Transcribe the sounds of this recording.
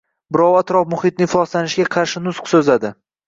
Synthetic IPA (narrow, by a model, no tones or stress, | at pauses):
bɪɾɒwat̪ɾɒfmʊhɪt̪̚nɪfɒslanɪʃɡʲaqʰɑɾʃɪnʊsqsɵzad̪ɪ